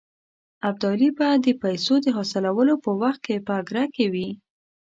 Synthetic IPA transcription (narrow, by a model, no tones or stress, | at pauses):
ab̚d̪ɑlibad̪əpajsod̪əɦɑsɪlawəlopəwaxt̪̚kepəaɡɾakewi